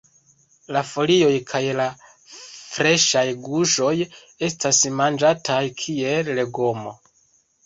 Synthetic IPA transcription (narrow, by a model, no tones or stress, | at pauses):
lafo̞lio̞jkʰajla | fɾe̞ʃajɡuʃo̞j | e̞stasmand͡ʒatʰajkʰie̞lle̞ɡo̞mo̰